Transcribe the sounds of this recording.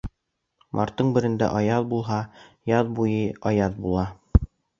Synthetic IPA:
mʔɑ̰ɾt̪ːɤɴbɘ̆ɾɘ̆nd̪æ̰ʔɑjɑðbulˠɦɑjɑðbujɤɑjɑð̚bulˠɑ

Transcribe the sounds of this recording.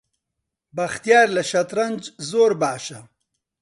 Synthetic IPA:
baxt̪ijɑːɾlaʃat̪ɾand͡ʒzoːɾbaːʃa

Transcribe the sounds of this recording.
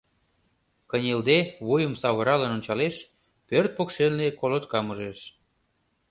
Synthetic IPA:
kənʲeld̪eβujə̆msɑβəɾɑlənonʲt͡ɕɑleʃ | pørt̪̚pokʃelːekolot̪kɑmuʒeʃ

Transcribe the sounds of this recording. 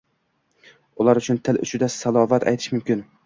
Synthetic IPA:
ʊlaɾʊt͡ʃʰʊnt̪ʰɪlʊ̰t͡ʃʰɪd̪asalˠɒvat̪ʰa̰jt̪ʰɪ̥ʃmʊmkʲɪn

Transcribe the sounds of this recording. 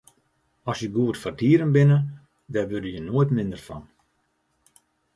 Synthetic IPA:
ɔsjəɡuərtfartiəɾənbɪnə | dɛrʋødəjənoːətmɪndərfɔ̰n

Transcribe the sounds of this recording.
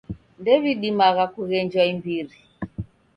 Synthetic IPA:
ndɛβiɗimaɣakuɣɛɲd͡ʒwaimbiɾi

